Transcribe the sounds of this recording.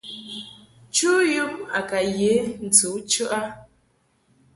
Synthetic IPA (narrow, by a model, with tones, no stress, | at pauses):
t͡ʃu˦ju˦ma̰˨ka˨je˨˦n̩˨t͡su˨˦t͡ʃʉ˦ʔa˦